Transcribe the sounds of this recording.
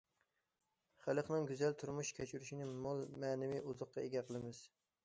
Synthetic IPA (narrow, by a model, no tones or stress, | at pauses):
χælˠəχnɨŋɡʲyzælt̪ʰuɾmuʃkʲʰɛt͡ʃʰyɾyʃinɪmolˠmɛːnɪmiʔuzʊqːɑeɡʲɛqʰəlˠɨmɪz̥